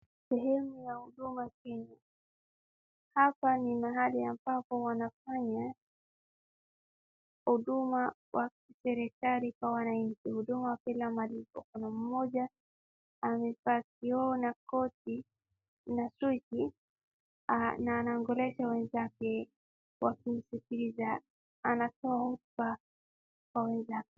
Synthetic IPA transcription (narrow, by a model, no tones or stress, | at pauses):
sɛɦɛmujahuɗumakɛɲu | hapanimaɦaliambapɔwanafaɲa | huɗuma | wʔakisɛɾɛkalikwawanaɲ̩t͡ʃihuɗumawapilamalipɔ̰kunam̩mɔʄaː | mɛfakiɔnakɔti | nasut͡ʃi | naːnaŋɡɔlɛʃawɛnzakɛ | wakim̩sikiliza | anatɔahutba | kwawɛnzak̚ɛ